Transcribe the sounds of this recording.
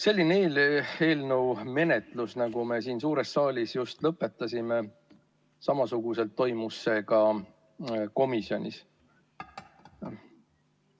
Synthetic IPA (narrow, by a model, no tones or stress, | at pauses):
se̞lʲːineeːle̞ːlnuwme̞net̪lusnɑɡ̥ume̞siːnsuːɾe̞stːɑːlʲisjust̪lɤpːˑe̞t̪ːˑɑsʲime̞ | sɑmɑsuɡ̥use̞lt̪ːo̞jmusːe̞ɡɑ | ko̞misjo̞nʲḭs